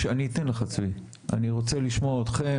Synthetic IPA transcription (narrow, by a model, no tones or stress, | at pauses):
eaniːt̪enleχat͡svi | ʔa̰niʁo̞t͡seliʃmoaot̪χe